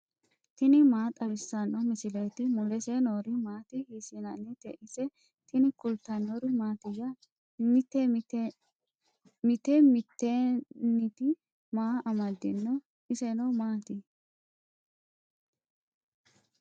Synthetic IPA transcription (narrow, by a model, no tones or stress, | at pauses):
t̪ɪnɪmaːt̪ʼɐβɪsːɐnːɔmɪsɪleːt̪ɪmʊlɛsenoːɾɪmaːt̪ɪhiːsinɐnːɪt̪ɛ̰ʔɪsɛ | t̪ɪnɪkʊlt̪ːɐnoɾɪmaːt̪ɪjɐ | mɪt̪ːɛ | mɪt̪ɛmɪt̪ːenɪt̪ɪ | maːʔɐmɐd̪ːɪ̰nːɔ | ɪsɛnɔmaːt̪ɪ